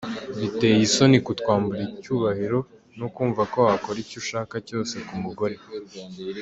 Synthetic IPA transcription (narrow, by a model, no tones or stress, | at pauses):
βite̞jiso̞nikutkwaːmbuɾicuːβahiɾo̞ | nukuːɱvako̞ako̞ɾicuʃaːkaco̞ːse̞kumuɡo̞ɾe̞